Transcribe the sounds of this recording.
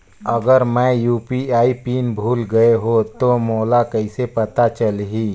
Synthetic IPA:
ɐɡəɾmɛ̃juːpiaːipiːnbʱuːlɡɐeɦot̪omoːlakəɪsepɐt̪at͡ʃəlɦiː

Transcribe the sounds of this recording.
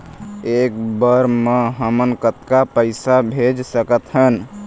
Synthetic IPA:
ekbəɾmeɦəmənkət̪kapəɪsabʱed͡ʒsəkət̪ɦən

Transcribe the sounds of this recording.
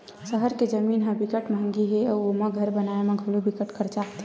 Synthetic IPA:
səɦəɾked͡ʒəmiːnɦə̃bɪkəʈm̃ŋɡiɦɛɔːomãɡʱəɾbɐnaːemẽɡʱəlobɪkəʈkəɾt͡ʃaːkt̪ʰ

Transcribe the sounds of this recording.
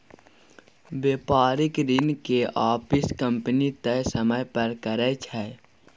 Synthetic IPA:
beːpaːɾɪkɾɪnkeʔaːpɪskə̃mpnit̪ɛsəməjpəɾkəɾɛt͡ʃʰɛː

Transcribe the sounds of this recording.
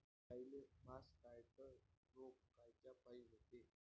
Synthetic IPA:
ailemaskajt̪ənoɡkajt͡ɕapaiɦot̪e

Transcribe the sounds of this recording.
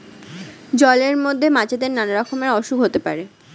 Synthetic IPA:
d͡ʑɔleɾmod̪ʱːemat͡ɕed̪eɾnanaɾakʰomeɾɔʃukɦot̪epa̰ɾe

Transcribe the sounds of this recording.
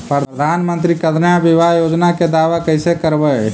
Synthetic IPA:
pɾəd̪ʱanmənt̪ɾikət̪njabibajod͡ʒnaked̪aʋakəɪsekəɾbə

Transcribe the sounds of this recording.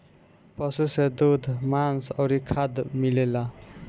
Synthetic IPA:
pʌsused̪ud̪ʱmansʌwɾikʰad̪milela

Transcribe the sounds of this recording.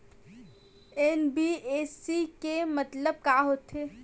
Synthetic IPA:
enbiesikemət̪ləb̚kaːɦot̪e

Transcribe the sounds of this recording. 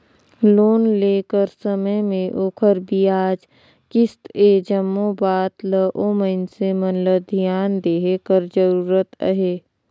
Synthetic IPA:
loːnleːkəɾsəməjmẽʔoːkʰəɾbiaːd͡ʒ | kɪst̪ed͡ʒəmːõbaːt̪ləʔoməɪnsemənləd̪ʱijaːnd̪eːɦekəɾd͡ʒəɾuːɾət̪ə̰ɦeː

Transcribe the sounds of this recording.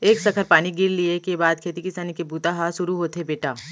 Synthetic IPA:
eːksɐkʰəɾpaːñiɡɪɾliekebaːd̪̚kʰeːt̪ikɪsanikebʱuːt̪aɦaʃʊɾuɦoːt̪ebeːʈaː

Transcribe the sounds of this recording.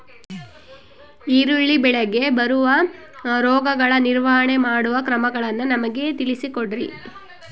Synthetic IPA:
iːɾuɭːibɛɭeɡe̞bɐɾuʋɐ | ɾɔːɡɐɡɐɭɐniɾʋɐɦɐɳe̞maːɽuʋɐkɾɐmɐɡɐɭɐnːunɐmɐɡe̞t̪ilisikoɽɾi

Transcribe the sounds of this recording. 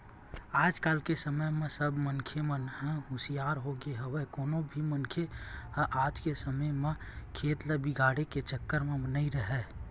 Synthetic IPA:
aːd͡ʒkaːlkesəməjmẽsəbʱmənkʰjemənɦə̃ɦʊsijaːɾɦoɡeɦəʋekoːnõbʱimənkʰeɦʔaːd͡ʒkesəməjmẽ | kʰeːt̪ləbiɡʱaːɽeket͡ʃəkːəɾmẽmənəĩɾəɦɛː

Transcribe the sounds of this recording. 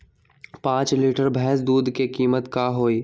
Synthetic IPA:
pãːt͡ʃliːʈəɾbʱɛɦs̬d̪uːd̪ʱkekiːmət̪kaːɦoːiː

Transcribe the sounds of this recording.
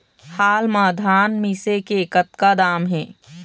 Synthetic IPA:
haːlmaːd̪ʱaːnmiːsekekət̪kad̪aːmɦɛ̃ː

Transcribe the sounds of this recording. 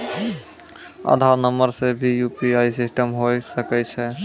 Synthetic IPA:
a̰d̪ʱaɾnəməɾsebʱijupiaisisʈəmɦojsəkɛt͡ʃʰɛ

